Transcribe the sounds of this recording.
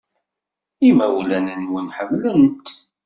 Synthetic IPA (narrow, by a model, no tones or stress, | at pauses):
imæwlænənwənħəmlænt̪